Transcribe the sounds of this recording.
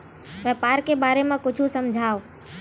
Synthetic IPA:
ʋɛːpaːɾkebaːɾemãkʊd͡ʒʱũsəmd͡ʒʱaːo

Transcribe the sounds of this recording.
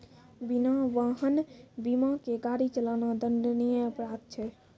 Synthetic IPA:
binaʋəɦənbimakeɡaɽit͡ʃəlanad̪ənd̪nijəəpɾad̪̚t͡ʃʰɛ

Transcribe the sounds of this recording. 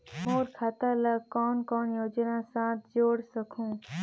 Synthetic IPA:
moːɾkʰaːt̪ələkɔːnkɔːnjoːd͡ʒnasãːt̪d͡ʒoːɽsəkʰũː

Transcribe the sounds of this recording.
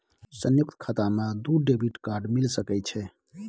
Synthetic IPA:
sənjuk̚t̪ʰkʰat̪amed̪uɖebiʈkaɾɖmilsəkɛt͡ʃʰɛ

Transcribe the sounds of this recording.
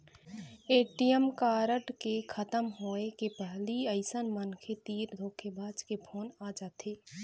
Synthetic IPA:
eːʈijəmkaːɾəʈkekʰət̪əmɦoːekepəɦliəɪsənmənkʰet̪iːɾd̪ʱoːkʰebaːd͡ʒkepʰoːnaːd͡ʒaːt̪ʰeː

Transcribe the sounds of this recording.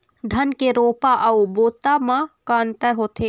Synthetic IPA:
d̪ʱɐnkeɾoːpaʔɐuboːt̪amãkãːnt̪əɾɦoːt̪ʰeː

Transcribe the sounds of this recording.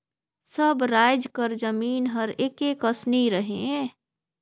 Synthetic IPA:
səbɾajd͡ʒkəɾd͡ʒəminɦəɾekekəsniɾəɦẽ

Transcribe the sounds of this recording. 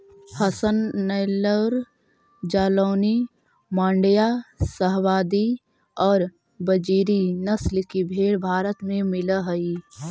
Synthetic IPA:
hɐsənːələɾ | d͡ʒaːloːni | mãːɳɖjasəɦwaːd̪i | ɔːɾ | bəd͡ʒiːɾinɐslkibʱeːɽbʱaːɾət̪mẽmɪləɦəi

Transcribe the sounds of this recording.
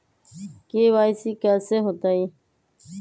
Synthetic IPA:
keːʋaːjsiːkaseɦot̪aːiː

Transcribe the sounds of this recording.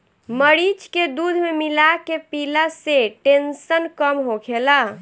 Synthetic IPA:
məɽit͡ʃked̪ud̪ʱmemilakepilaseʈensənkəmɦokʰela

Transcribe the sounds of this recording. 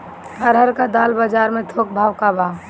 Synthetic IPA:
həɾɦəɾkad̪albəd͡ʒaɾmẽt̪ʰok̚bʱaːwkaba

